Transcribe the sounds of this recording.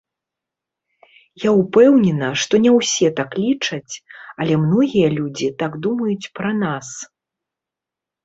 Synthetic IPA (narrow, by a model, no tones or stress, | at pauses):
jaupɛwnʲɛnɐʂt̪ɔnʲɛwsʲɛt̪aklʲit͡ʂɐt͡sʲɐlʲɛmnɔɣʲijɐlʲud͡zʲit̪aɡd̪umɐjut͡sʲpɾɐnas